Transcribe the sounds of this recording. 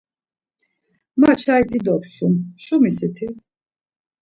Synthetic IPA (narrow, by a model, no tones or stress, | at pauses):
mat͡ʃʰait̪ʼid̪ɔpʃumʃumisit̪ʰi